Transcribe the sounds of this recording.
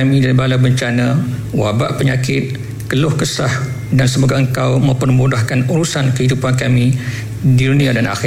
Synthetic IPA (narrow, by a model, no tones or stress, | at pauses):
amĩdalibalabəɲt͡ʃanãwabaʔpəɲakɪt̪̚ | kəlʊhkəsah | dansəbaɡaəŋkawmə̃mpərmudahkanuɾusankəɦidupankamĩ | didunĩadana̰x